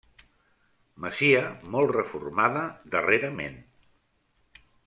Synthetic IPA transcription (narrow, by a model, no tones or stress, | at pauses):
məsiəmɔlˠrəfṵrmaðəd̪əreɾəmḛn